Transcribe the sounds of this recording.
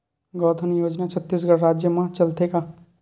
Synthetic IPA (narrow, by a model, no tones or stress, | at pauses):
ɡɔt̪ʰənjoːd͡ʒnat͡ʃʰət̪ːisɡəɾɾaːd͡ʒjəmãt͡ʃəlt̪eka